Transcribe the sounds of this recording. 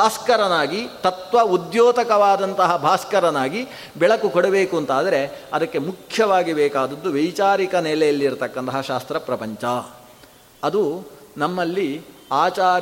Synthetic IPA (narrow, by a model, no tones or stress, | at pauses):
aːskɐɾɐnaːɡit̪ɐt̪ʋɐud̪joːt̪ɐkɐʋaːd̪ɐnt̪ɐɦɐbʱaːskɐɾɐnaːɡi | bɛɭɐkːukɔɽɐbeːkuɐnt̪aːd̪ɐɾe̞ɐd̪ɐkːe̞mukʰjɐʋaːɡibɛːkaːd̪ɐd̪ːuʋɐjt͡ʃaːɾikɐnɛːlɛjɐlːiɾt̪ɐkːɐnt̪ɐɦɐʃaːst̪ɾɐpɾɐpɐɲt͡ʃɐ | ɐd̪u | nɐmːɐlːiaːt͡ʃaː